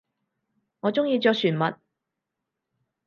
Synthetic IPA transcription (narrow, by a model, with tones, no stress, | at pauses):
ŋɔː˨˧t͡sʊ˥ŋjiː˧t͡ʃœː˧k̚syː˨˩nmɐ˨t̚